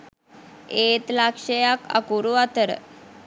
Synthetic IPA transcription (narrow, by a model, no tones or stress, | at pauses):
et̪lakʂejaka̰kuɾuat̪əɾ̰